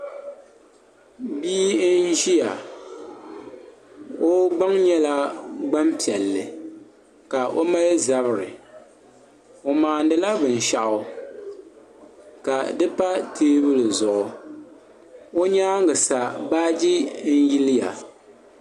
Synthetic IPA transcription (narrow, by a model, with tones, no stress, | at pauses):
biː˦n̩ʒi˦ja˨ | o˦ɡ͡ba˦ŋɲɛ˦la˦ɡ͡ba˦mpi˨ɛ˨lːɨ˨ | ka˨ʔo˦ma˦jɛ˦za˦βɨ˨ɾɨ˨ | o˨maː˨ndɨ˨la˦bɨ˨n˨ʃa˦ʔʊ˦ | ka˨dɨ˦pa˦tʰeː˦bɨ˦lɨ˨zʊ˨ʔʊ˨ | o˦ɲaː˦ŋɡɨ˨sa˨baː˦d͡ʒi˦n̩˦ji˦lɪ˦ja̰˨